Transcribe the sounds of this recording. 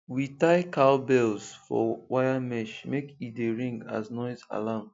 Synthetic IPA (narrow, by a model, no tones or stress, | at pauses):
witaɪkaʊbɛlzfɔ̰wajamɛʃmekieɹĩŋɡa̰znɔɪza̰lam